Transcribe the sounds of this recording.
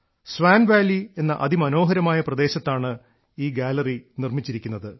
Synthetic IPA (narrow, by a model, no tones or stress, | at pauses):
sʋaːnʋaːlːie̞nːɐʔɐðimɐno̞ːɦɐɾɐmaːjɐprɐd̪e̞ːɕɐt̪ːaːɳɨ | iːɡaːlɐrinirmit͡ɕːiɾikʲːunːɐðɨ